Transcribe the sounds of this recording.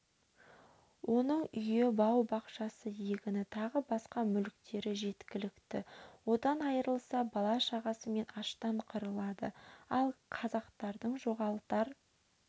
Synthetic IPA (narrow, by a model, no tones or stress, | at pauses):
wʔo̞nəɴʏjebɑwbɑqʃɑsəjeɡʲɪnɪt̪ʰɑʁəbɑsqɑmʏlkt̪e̞ɾɪʒe̞t̪kʲɪlɪkt̪ɪwo̞d̪ɑnɑjəɾəlˠsɑbɑlˠɑʃɑʁɑsəme̞nɑʃt̪ɑɴqʰəɾəlˠɑd̪ə̰ɑlˠqʰɑzɑqt̪ɑɾd̪əɴʒo̞ʁɑlˠəqt̪ɑɾ